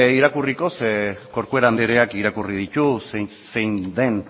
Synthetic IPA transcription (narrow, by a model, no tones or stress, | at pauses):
iɾakuriko̞seko̞ɾkue̞ɾand̪eɾeakiɾakurið̞it̪use | sejnd̪e̞n